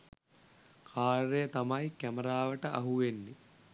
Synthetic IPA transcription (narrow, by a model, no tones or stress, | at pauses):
kʰaːɾɾejət̪amɐjkæmɐɾaːʋəʈəʔaɦuʋenːi